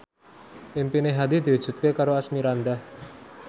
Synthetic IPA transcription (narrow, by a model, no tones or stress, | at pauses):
ʔimpineɦad̪id̪̥i̤wu̥ʒ̥ṳt̪̚kekaɾoasmiɾand̪ah